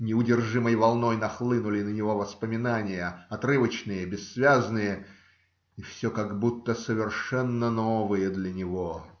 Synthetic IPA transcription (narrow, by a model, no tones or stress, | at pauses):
nʲɪʊdʲɪrʐɨməjvɐlˠno̞jnɐxlˠɨnʊlʲɪnənʲɪvo̞vəspəmʲɪnanʲɪjəɐt̪rɨvət͡ɕnɨjəbʲɪsːvʲaznɨjə | ɪfsʲokaɡbut̪ːəsəvʲɪrʂɛnːənovɨjəd̪lʲənʲɪvo